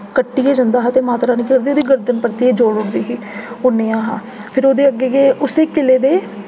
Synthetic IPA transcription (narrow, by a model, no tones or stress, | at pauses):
kəʈːiːeːd͡ʒə̃nd̪aːɦaːt̪eːmaːt̪ɾaːnikeɾd̪eoːd̪iːɡəɾd̪ənpəɾt̪ieːd͡ʒoːɽʊɽd̪iːɦiː | oːnejãːɦaː | pʰɪɾoːd̪eːəɡeːɡeːʊseːkɪleːd̪eː